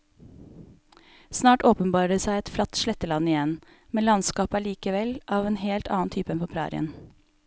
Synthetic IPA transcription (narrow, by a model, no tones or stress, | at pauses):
snɑːʈoːpənbɑːɾəsæɪɛt̪flɑt̪ʃlɛt̪əlɑnɪjɛn | mɛnlɑnskɑːpæːɭiːkəʋɛlʔɑːʋeːnheːlt̪ɑ̰ːn̩t̪ʰyːpəɛnəpʰɾæ̰ːɾɪ̰ə̰n